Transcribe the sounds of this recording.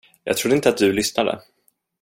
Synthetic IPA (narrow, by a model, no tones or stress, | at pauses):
jɑ̰ːɡ̚t̪ʰɾʊd̪ːəɪnt̪əat̪̚d̪ɵlʏsnad̪ə̰